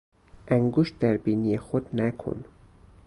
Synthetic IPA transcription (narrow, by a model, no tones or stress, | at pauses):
ʔæŋɡuʃd̪æɾbiːnijexod̪nækʰo̰n